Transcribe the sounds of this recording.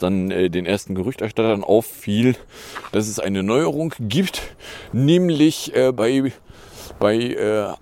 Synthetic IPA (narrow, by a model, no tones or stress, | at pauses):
d̥anʔɛːdeːnʔeːɐstn̩ɡəʁʏçtɛɐʃtatɐnʔa̰ʊfːiːld̥asɛsʔa̰ɪnənɔʏəʁʊŋɡ̥iːptnɛːmlɪçʔɛːbaɪ | b̥aɪʔɛː